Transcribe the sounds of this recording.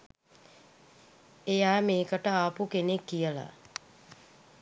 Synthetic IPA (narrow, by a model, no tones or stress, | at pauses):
ejaːmeːkəʈəaːpukenekːijəla̰